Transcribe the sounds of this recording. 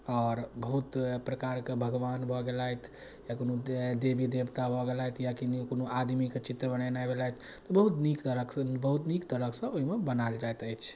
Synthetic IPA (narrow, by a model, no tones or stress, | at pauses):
ɔːɾbəɦut̪pɾəkaɾkebʱəɡʋanbʱɔɡelajt̪ʰ | jakonod̪ebid̪ebt̪abʱɔɡelajt̪ʰjakinikonoʔad̪miket͡ʃit̪ɾəbənajnajbelajt̪ʰ | t̪ɔbəɦut̪nikt̪əɾəkbəɦut̪nikt̪əɾəksə̃oɦimebənald͡ʒaet̪əjt͡ʃʰ